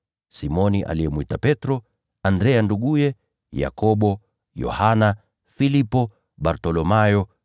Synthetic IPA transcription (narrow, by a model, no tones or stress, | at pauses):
simɔniʔa̰liɛmwitapɛtɾɔ | andɾɛanduɠujɛ | ja̰kɔɓɔ | jɔ̰hana | filipɔ | ɓaɾtɔlɔmajɔ